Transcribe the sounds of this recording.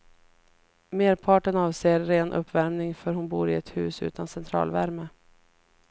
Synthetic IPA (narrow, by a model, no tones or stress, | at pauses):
meːɾpʰɑːʈənɑːvseːɾːeːnʔɵ̰pːvæɾmnɪŋfœɾhʊnbuːɾɪɛt̪hʉ̟̰ːsʉ̟̰ːt̪ʰansɛnt̪ʰɾɑ̰ːlvæɾmə